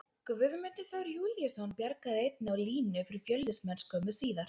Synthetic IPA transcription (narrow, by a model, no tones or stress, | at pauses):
kʏvʏðʏmɪnt̪ɪ̥θawɾjuːljasonːpjɛɾkaðɪejt̪̚nɪawliːnʏfɪɾɪɾ̥fjœlːɪsmɛnskʰœːmʏsiːðaɾ̥